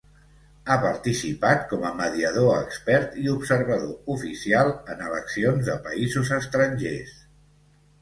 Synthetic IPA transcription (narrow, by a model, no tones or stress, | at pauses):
apəɾt̪isipat̪̚kɔməməðiəð̞oəkspɛɾt̪iupsəɾβəðoufisialˠənələksionzðəpəizuzəst̪ɾəɲʲʒes